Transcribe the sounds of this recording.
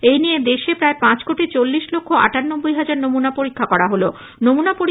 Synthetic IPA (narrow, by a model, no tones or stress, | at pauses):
ejnied̪eʃepɾaepãt͡ɕkoʈit͡ɕolːiʃlokʰːoa̰ʈanːobːojɦad͡ʑaɾnomunapoɾikʰːakɔɾaɦolo | nomunapoɾi